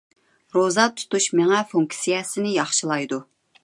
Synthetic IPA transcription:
ɾozɑt̪ʰu̥t̪uʃmeŋɛfuŋksijɛsɪnɪjɑχʃɨlˠɑjd̪u

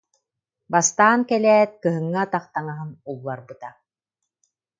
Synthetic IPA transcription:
bast̪aːnkɛlɛːt̪̚kɯɦɯŋːat̪aqt̪aŋaɦɯnulˠːaɾbɯt̪a

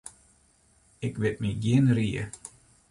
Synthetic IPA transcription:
ɪkʋɪt̚miɡiənriə

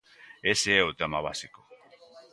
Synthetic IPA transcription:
eseot̪amaβasiko

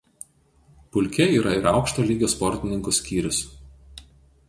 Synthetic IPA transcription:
pʊlʲkʲɛiːɾɐɪɾɑˑʊkʃt̪oːlʲiːɡʲoːspɔɾʲt̪ʲɪnʲɪŋkʊsʲkʲiːɾʲʊs

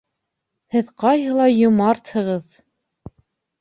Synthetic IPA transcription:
hɘðqɑjɦɤ̆lˠɑjŏmɑɾt̪hɤ̆ʁɤð

